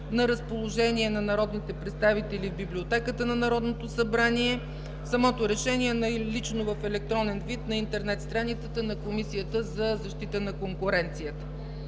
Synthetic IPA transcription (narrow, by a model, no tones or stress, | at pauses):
nɐɾəspolˠoʒɛniɛnɐnɐɾɔd̪nit̪ɛpɾɛt̪st̪avit̪ɛlivbiblʲiot̪ɛkət̪ənɐnɐɾɔd̪not̪osɐbɾaniɛ | sɐmɔt̪oɾɛʃɛniɛnɐlit͡ʃnovəfɛlɛk̚t̪ɾɔnɛnvit̪nɐint̪ɛɾnɛt̪st̪ɾanit̪sət̪ənɐkomisijət̪əzɐzɐʃt̪it̪ənɐkoŋkʊɾɛnt̪sijət̪ə̥